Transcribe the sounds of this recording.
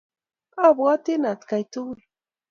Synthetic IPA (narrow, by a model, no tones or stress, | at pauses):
abwat̪ɪnat̪kajt̪ul